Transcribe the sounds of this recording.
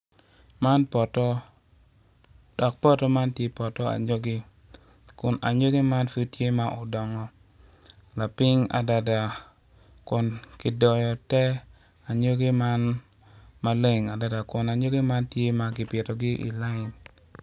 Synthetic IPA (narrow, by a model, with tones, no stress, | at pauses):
ma˦npɔ˨tɔ˦ | d̥ɔ˨k̚pɔ˦tɔ˦ma˦ntje˦pɔ˨tɔ˦a̰˨ɲo˦ɡɪ˦ | kʊ˨na˨ɲo˦ɡe˦ma˦nfu˦tje˦ma˨ʔɔ˨dɔ˨ŋɔ˨ | la˨pɪ˦ŋa̰˨da˨da˨ | kʊ˨nkɪ˨dɔ˨jɔ˨tɛ˦ | a˨ɲo˦ɡe˦ma˦n | ma˦le˦ŋa˨da˨da˨kʊ˨na˨ɲo˦ɡe˦ma˦ntje˦ma˨ɡɪ˨pɪ˨tɔ˨ɡɪ˦ʔḭ˨la˦ɪ˨n